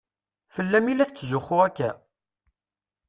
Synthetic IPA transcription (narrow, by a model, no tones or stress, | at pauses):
fəlːæmilæθt͡sːzʊχʊʁækːæ